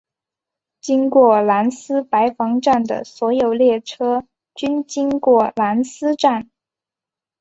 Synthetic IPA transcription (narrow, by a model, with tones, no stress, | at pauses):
t͡ɕi˥nkwɔ˥˩la˧˥nsɹ̩˥pa˧˥ɪfɑ˧˥ŋʈ͡ʂa˥˩nd̪ə̰˩swɔ˧˥jo˨˩ʊljɛ˥˩ʈ͡ʂʰɤ˥ | t͡ɕy˥nt͡ɕi˥ŋkwɔ˥˩la˧˥nsɹ̩˥ʈ͡ʂa˥˩n